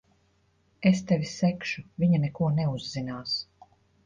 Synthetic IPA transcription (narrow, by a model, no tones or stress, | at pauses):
est̪ɛvʲisɛkʃuvʲiɲanɛkuɔnɛuzːinaːs